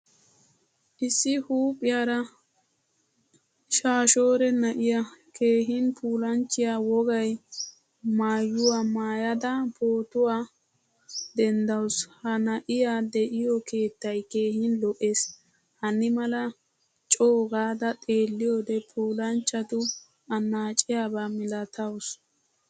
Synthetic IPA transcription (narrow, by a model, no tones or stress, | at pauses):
ʔɪsːɪhuːpʼːɪjaːɾɐ | ʃaːʃo̞ːɾɛnɐʔɪjakʰe̞ːɦɪnpʰuːlɐnt͡ʃːɪjawɔɡɐj | maːjʊwamaːjɐd̪ɐpoːt̪ʊwaː | d̪ɛnd̪ɐwshɐnɐʔɪjad̪ɛʔɪjɔke̞ːt̪ːɐjke̞ːhɪnlɔʔe̞ːs | hɐnːɪmɐlɐ | t͡ʃʼoːɡaːd̪ɐt̪ʼe̞ːlːɪjoːd̪ɛpʰuːlɐnt͡ʃːɐt̪ʊ | ɐnːaːt͡ʃʼɪjaːbamɪlɐt̪ɐws